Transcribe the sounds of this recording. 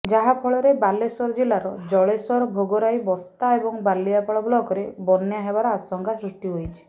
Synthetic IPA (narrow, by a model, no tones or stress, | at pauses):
d͡ʒaɦapʰɔɭɔɾebalesɔɾɔd͡ʒilaɾɔd͡ʒɔɭesɔɾbʱoɡɔɾajbɔst̪aebɔŋbalːiapɔɭɔblɔkɔɾebɔneaɦebaɾɔasɔŋkʰasɾusʈiɦojt͡ʃʰi̥